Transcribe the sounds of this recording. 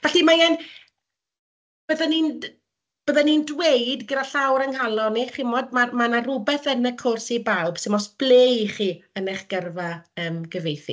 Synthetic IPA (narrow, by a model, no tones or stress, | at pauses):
vɛɬimajɛn | b̥əðanin | b̥əːðanindwejdɡədaɬawɾənhalˠɔniχɪmɔdmamanarʊbɛθənəkʰʊrsibawbsɪmɔsb̥lˠeːiχiːəneχɡ̥ərvaəːmɡəvejθḭ